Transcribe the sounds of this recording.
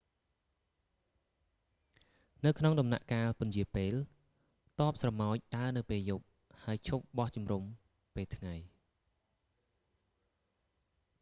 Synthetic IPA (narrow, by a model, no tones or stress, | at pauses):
nɨwkʰnoŋɗɑmna̰ʔkaːlpʊ̆njiəpeːl | t̪ŏəp̚srɑmaɔc̚ɗaənɨwpeːljup̚ | haəjt͡ɕʰup̚ɓɑht͡ɕumrum | peːlt̪ʰŋaj